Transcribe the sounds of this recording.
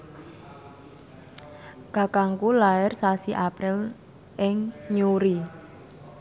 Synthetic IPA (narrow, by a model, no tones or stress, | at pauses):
ɡ̥a̤kaŋkulaɪrsasiʔapɾɪl | ʔɪŋɲuɾi